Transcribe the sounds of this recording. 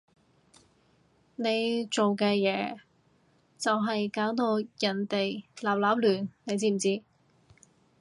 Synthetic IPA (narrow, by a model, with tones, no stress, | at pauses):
ne˨˧jt͡so˨wkɛː˧jɛː˨˧ | t͡sɐ˨wɦɐ˨jkaː˨˥wt̪o˧wjɐ˨˩nt̪e˨jlaː˨˩p̚laː˨˥p̚lyː˨˩nne˨˧jt͡siː˧˥m̩˨˩t͡siː˧˥